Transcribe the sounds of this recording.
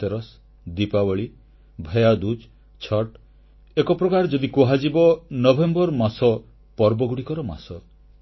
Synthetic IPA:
t̪eɾɔs | d̪ipawɔɭi | bʱejad̪ud͡ʒ | t͡ʃʰɔʈ | ekɔpɾɔkaɾɔd͡ʒɔd̪ikuɦad͡ʒibɔnɔbʱembɔɾmasɔ | pɔɾbɔɡuɽikɔɾɔma̰sɔ

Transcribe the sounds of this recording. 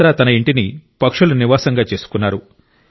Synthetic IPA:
ɾaːt̪ɐnɐiɳʈinipɐkʂuluniʋaːsɐŋɡaːt͡ʃe̞ːsu̥kunːaːɾu

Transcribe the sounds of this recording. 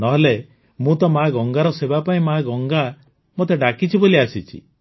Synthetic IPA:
nɔɦele | mũt̪ɔmaɡɔŋɡaɾɔsebapaĩmaɡɔŋɡa | mot̪eɖakit͡ʃʰiboliasit͡ʃʰḭ

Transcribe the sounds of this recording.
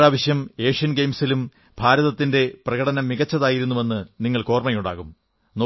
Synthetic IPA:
aːʋɐɕjɐme̞ːʂijɐnɡejmsilum | bʱaːɾɐðɐt̪ːinde̞prɐɣɐɽɐnɐmːiɣɐt͡ɕːɐðaːjiɾunːuʋe̞nːɨniŋːɐɭko̞ːrmɐjuɳɖa̰ːɣum | no

